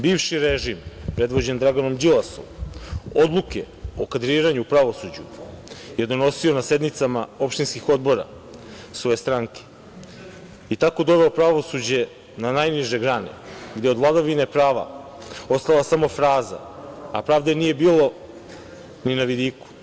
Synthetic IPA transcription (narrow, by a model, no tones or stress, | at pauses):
biːʋʃiɾeʒimpɾe̞d̪ʋo̞d͡ʑe̞nd̪ɾaɡano̞md͡ʒilˠaso̰mo̞d̪lˠuke̞̰ | o̞kad̪ɾiːɾaɲuupɾaʋo̞sud͡ʑuje̞d̪o̞no̞sio̞nase̞d̪nit̪samao̞pʃt̪inskixo̞d̪̚bo̞ɾa̰ | sʋo̞je̞st̪ɾaŋke̥ | it̪ako̞d̪o̞ʋe̞opɾaʋo̞sud͡ʑe̞ | nanajniʒe̞ɡɾane̞̰ɡd̪jeo̞d̪vlˠad̪aʋine̞pɾaːʋa̰ | o̞st̪alˠasamo̞fɾaːza̰apɾaːʋd̪enije̞biːlo̞ | ninaʋid̪iːku̥